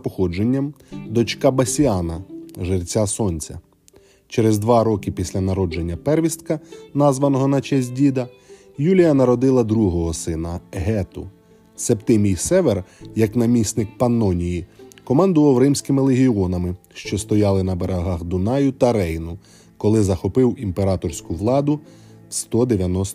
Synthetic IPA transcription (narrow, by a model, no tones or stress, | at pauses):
pɔxɔd͡ʒenʲːɐmd̪ɔt͡ʃkɑbɐsʲiɑnɐʒɪrt͡sʲasɔnʲt͡sʲɐ̰ | t͡ʃeɾezd̪ʋɑɾɔkɪpʲisʲlʲɐnɐɾɔd͡ʒenʲːɐpɛrʋʲist̪̚kɐnɑzʋɐnɔɦɔnɐt͡ʃɛsʲdʲid̪ɐ | julʲijɐnɐɾɔd̪ɪlˠɐd̪ɾuɦɔɦɔsɪnɐɦɛt̪ʊ | sept̪ɪmʲijsɛʋerjɐknɐmʲisʲt̪nɪk̚pɐnːɔnʲijikɔmɑnd̪ʊʋɐwrɪmsʲkɪmɪlˠeɦʲiɔnɐmɪ | ʃt͡ʃɔst̪ɔjɑlˠɪnɐbeɾɐɦɑxd̪ʊnɑjʊt̪ɐɾɛjnʊ | kɔlˠɪzɐxɔpɪwimpeɾɑt̪ɔrsʲkʊʋlˠɑd̪ʊ | wst̪ɔd̪eʋʲjɐnɔs